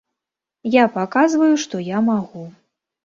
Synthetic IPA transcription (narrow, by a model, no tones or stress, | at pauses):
japakazvɐjuʂt̪ɔjamaɣu